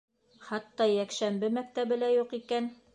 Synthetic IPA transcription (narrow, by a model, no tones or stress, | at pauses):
χɑt̪ːɑjækʃæmbɘmæk̚t̪æβɘ̆læjuqikæn